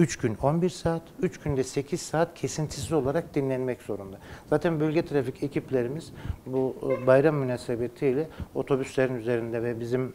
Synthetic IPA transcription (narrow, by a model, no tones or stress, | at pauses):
yt͡ʃcyno̞nbiɾsaːt̪yt͡ʃcynd̪ɛse̞cʰiz̥saːt̪cʰe̞sint̪ʰis̬izo̞lˠaɾak̚d̪inlʲɛnmɛcz̥o̞ɾund̪az̥aːt̪ʰænbølʲɟʲɛt̪ʰɾaficʰecʰiplʲe̞ɾimizbubajɾamːynaːsebet̪ʰijlʲɛo̞t̪ʰo̞byslʲeɾinyze̞ɾind̪ɛvɛbizim